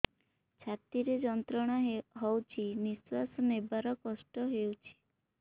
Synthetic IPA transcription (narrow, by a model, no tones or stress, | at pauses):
t͡ʃʰat̪iɾed͡ʒɔnt̪ɾɔɽ̃aɦɔwt͡ʃʰiniswasɔnebaɾɔkɔsʈɔɦewt͡ʃʰi̥